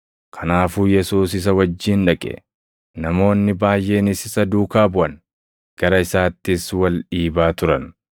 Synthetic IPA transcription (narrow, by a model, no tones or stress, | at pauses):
kʰɐnaːfuːjɛsuːs̬ɪs̬ɐwɐd͡ʒːiːnᶑɐkʼɛ̰ | nɐmo̞ːnːɪbaːjʔe̞ːnɪsɪsɐd̪uːkaːbʊʔɐn | ɡ̥ɐɾɐɪsaːt̪ːɪswɐlᶑiːbaːt̪ʊɾɐn